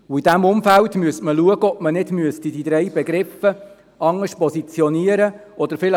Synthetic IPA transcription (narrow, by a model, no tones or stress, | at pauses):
ʊidæmʊmfæltmyəstməluəɡəɔpmənɪdmyəstidid̥̪ɾɛjbɛɡɾɪfə | ɑŋəʃpɔsit͡sjɔniəɾə | ɔd̪əɾfɪlə